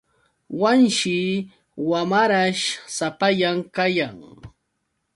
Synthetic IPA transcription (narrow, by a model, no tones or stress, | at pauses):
wanʃɪ | wamaɾaʃsapaʎamkajaŋ